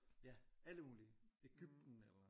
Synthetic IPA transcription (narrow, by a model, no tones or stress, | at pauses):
jææləmuːliəe̝ɡ̥yb̥̚d̥n̩elɐ